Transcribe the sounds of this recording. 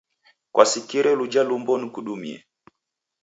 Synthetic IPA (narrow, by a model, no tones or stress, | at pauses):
kwʔasikiɾɛlud͡ʒalumbɔnikuɗumḭɛ̰